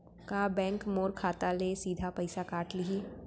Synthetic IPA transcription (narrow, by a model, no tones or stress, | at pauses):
kabɛ̃ːŋkmoːɾkʰaːt̪alesiːd̪ʱapɐɪsakaːʈlii